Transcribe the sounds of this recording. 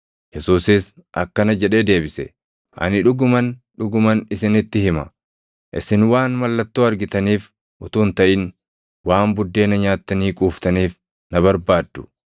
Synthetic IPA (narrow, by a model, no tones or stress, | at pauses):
jɛsuːsɪsʔɐkːɐnɐd͡ʒɛᶑe̞ːd̪e̞ːbɪsɛ̰ | ʔɐ̰nɪᶑʊɡʊmɐnᶑʊɡʊmɐnɪsɪnɪt̪ːɪɦɪmɐ | ʔɪsɪnwaːnmɐlːɐt̪ːoːɐɾɡɪt̪ɐniːf | ʔʊt̪uːnt̪ɐʔɪn | waːmbʊd̪ːe̞ːnɐɲaːt̪ːɐniːkʼuːft̪ɐniːf | nɐβɐɾbaːd̪ːʊ̥